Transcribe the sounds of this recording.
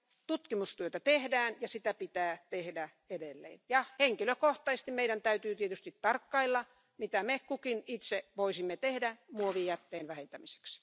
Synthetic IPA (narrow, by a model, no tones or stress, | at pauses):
t̪ut̪kimust̪yøt̪æt̪ehdæːnjɑsit̪æpit̪æːt̪ehdæ | edelːḛːnjɑheŋkiløkoht̪ɑist̪imeiɾænt̪æyt̪yːt̪iet̪yst̪it̪t̪ɑrkːɑilːɑ | mit̪æmekukinit̪seʋoisimːet̪ehdæmuoʋiːjæt̪ːeːnʋæhent̪æmise̥ks